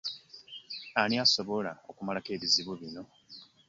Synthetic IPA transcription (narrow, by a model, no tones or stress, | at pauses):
aɾiaso̞βo̞laokumalake̞ːβiziβuβino̞